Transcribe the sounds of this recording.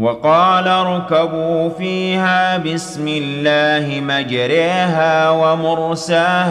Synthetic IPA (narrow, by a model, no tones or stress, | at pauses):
wɑqɑːlaɾˤʊkabuːfiːhaːbɪsmɪlːaːhɪmad͡ʒɾaːɦaːwamʊɾsaːh